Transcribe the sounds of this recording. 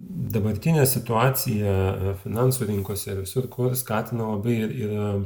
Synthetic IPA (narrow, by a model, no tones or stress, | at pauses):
d̪ɐbɐɾʲt̪ʲɪnʲeːsʲɪt̪ʊɑːt̪sʲɪjɛfʲɪnɑnsuːɾʲɪŋkoɔsʲɛɪɾʋʲɪsʊɾkoːskɑːt̪ʲɪnɐlˠɐbɐɪɪɾɪr